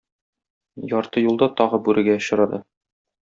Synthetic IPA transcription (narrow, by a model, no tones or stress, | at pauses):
jɒɾt̪ɤjulˠd̪ɑt̪ɒʁɤbʉɾʔɘ̆ɡæŏɕɤ̆ɾɑd̪ɤ